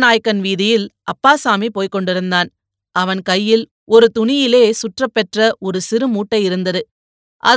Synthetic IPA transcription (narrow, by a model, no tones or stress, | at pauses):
naːjkːɐnʋiːðɪjɪlʔɐpːaːsaːmipoːjkɔɳɖɪɾɯnd̪aːn | ʔɐʋɐnkɐjːɪl | ɔɾɯt̪ʊɳɪjɪleːsʊʈrɐpːɛʈrɐʔɔɾɯsɪɾɯmuːʈːɐɪɪɾɯnd̪ɐðɯ | ʔɐ̰